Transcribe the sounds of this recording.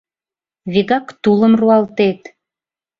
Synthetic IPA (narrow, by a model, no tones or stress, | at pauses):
βiɣɑkt̪uləmruɑlt̪et̪